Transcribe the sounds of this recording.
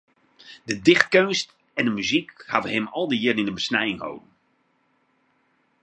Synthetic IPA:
dədɪχt̚kønst | ɛndəmyzikhavənɦɪmɔlˠdəjɪrənɪnəbəsnɛjɪŋho̰wdən

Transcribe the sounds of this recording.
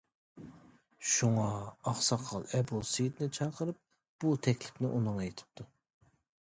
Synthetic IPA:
ʃuŋɑːχsɑqʰɑ̰lˠɛbulˠsejt̪nɪt͡ʃʰɑqʰəɾɨp̚ | b̥ut̪ʰɛkʲlɪ̥pnɪʔunɨŋjet̪ʰɪ̥p̚t̪ʰu

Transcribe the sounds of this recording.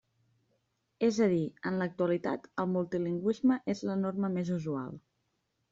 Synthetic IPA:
ezəð̞iənlək̚t̪uəlit̪a̰t̪əlˠmulˠt̪iliŋɡwizməʔezlənoɾməmezuzua̰lˠ

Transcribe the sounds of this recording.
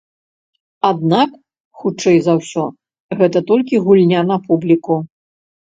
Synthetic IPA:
ad̪̚nak | xut͡ʂɛjzɐwsʲɔ | ɣɛt̪ɐt̪ɔlʲkʲiɣulʲnʲanɐpublʲiku

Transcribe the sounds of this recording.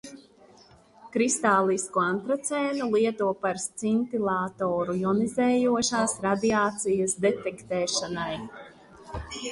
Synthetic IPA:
kɾist̪aːlˠiskuant̪ɾat̪sɛːnulˠiɛt̪uɔpaɾst̪sint̪ilˠaːt̪oːɾujɔnizɛːjuɔʃaːsɾad̪iaːt̪sijɐsd̪ɛt̪ɛkt̪ɛːʃanaj

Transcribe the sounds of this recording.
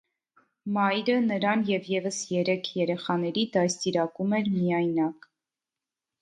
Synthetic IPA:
mɑjɾənəɾɑnjɛvjɛvəsjɛɾɛkʰjɛɾɛχɑnɛɾid̪ɑjst̪iɾɑkumɛɾmijɑjnɑk

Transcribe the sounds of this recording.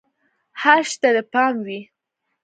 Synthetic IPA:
haɾʃt̪ad̪əpɑmwi

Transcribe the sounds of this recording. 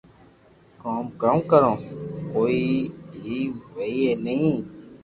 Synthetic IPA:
kaːmkəõːkəɾõːkoːiːɦiːʋəiːeːnəɦĩː

